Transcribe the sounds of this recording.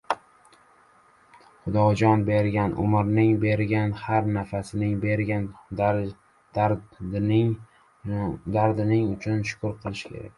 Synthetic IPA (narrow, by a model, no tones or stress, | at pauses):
χʊd̪ɒd͡ʒɒnbe̞ɾɡʲanʔʊ̰mɪɾnɪŋbe̞ɾɡʲanhaɾnafasɪnɪŋbeɾɡʲan | d̪aɾd̪ɪnɪŋʊt͡ʃʰʊnʃʊ̥kʰʊɾqʰɨlˠɪʃɪ̥kʲʰe̞̰ɾa̰kʲ